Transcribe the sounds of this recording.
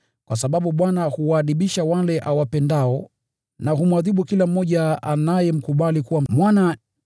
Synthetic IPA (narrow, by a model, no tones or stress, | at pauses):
kwasaɓaɓuɓwanahuwaːðiɓiʃawalɛʔawapɛndaɔ | naɦumwaðiɓukilam̩ːɔʄaanajɛm̩kuɓalikuwam̩mwana